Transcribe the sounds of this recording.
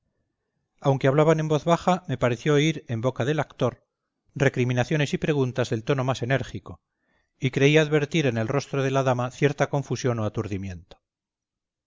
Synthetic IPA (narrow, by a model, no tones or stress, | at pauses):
awŋkeaβlaβane̞mbo̞θβaxame̞paɾe̞θjo̞iɾe̞mbo̞kaðe̞lakt̪o̞ɾ | re̞kɾimĩnaθjo̞ne̞sipɾe̞ɣ̞unt̪azðe̞lt̪o̞no̞mase̞ne̞ɾxiko̞ | ikɾe̞iaðβe̞ɾt̪iɾe̞ne̞lro̞st̪ɾoð̞e̞laðamaθje̞ɾt̪ako̞ɱfusjo̞noat̪uɾðimje̞nt̪o̥